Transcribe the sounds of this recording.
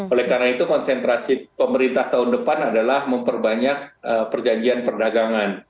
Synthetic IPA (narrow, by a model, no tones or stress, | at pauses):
olɛhkarnait̪ukɔnsɛnt̪ɾasipəməɾint̪aht̪aɦʊndəpanadalahməmpərbaɲak̚əpərd͡ʒaɲd͡ʒianpərdaɡaŋan